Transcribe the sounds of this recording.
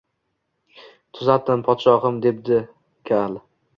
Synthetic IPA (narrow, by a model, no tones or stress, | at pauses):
t̪ʰʊzat̪ʰɪnpʰɒt̪ʃɒɦɨmd̪e̞p̚d̪ɪ | kʲʰal